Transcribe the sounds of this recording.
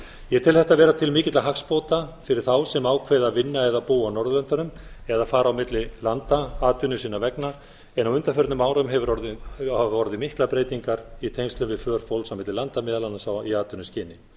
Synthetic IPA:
jɛt̪ʰɪlθɛht̪avɛːɾat̪ʰɪlmɪːcɪt̪laɦakspoːwt̪afɪɾɪɾ̥θawsɛmaːwkʰvɛːjðaðvɪnːaɛðapuːanɔɾðʏlœnt̪anʏmɛðafaːɾawmɪt̪lɪlant̪aaːt̪ʏnːʏsiːnavɛkna | ɛnawʏnt̪afœɾt̪nʏmaːwɾʏmɦɛvʏɾɔɾðɪɔɾðɪmɪhklapɾeːjt̪iŋkaɾit̪ʰejnst̪lʏmvɪðfœːɾ̥fowlsawmɪt̪lɪlant̪amɛːðalanːasawiaːt̪ʏnʏmscɪːnɪ

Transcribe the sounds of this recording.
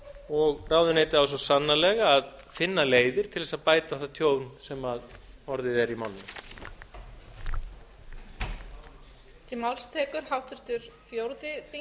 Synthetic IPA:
ɔɣraːwðʏneːjt̪ɪaws̬ɔsanːalɛɣaːð | fɪnːaleːjðɪɾ̥t̪ʰɪlðɛsaðpaːjt̪aθaðt̪ʰjoːwnsɛmað | ɔɾðɪðɛɾimawnːʏ | c̪ɪmawlst̪ʰɛːkʏɾ̥hawht̪ʏɾ̥t̪ʏɾ̥fjowɾðɪθi

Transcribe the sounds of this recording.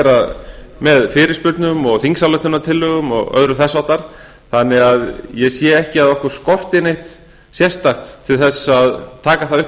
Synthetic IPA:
ɛɾaðmɛðfɪːɾɪspʏɾt̪nʏmɔɣθiŋksalœht̪ʏnat̪ʰɪlhʏɣʏmɔ̰ɣœ̰ðɾʏθɛsːawt̪aɾ̥ | θanːɪɣaðjɛɣsjɛɛhcɪaðɔhkvʏɾ̥skɔr̥t̪ɪnejht̪ | sjɛr̥st̪axt̪ʰːɪlθɛsːaaðt̪ʰaːkaθaðʏh

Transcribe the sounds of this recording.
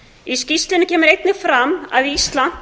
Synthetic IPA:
iscist̪lɪnʏcʰɛːmʏɾejt̪nɪfɾama̰ðiist̪lan̥

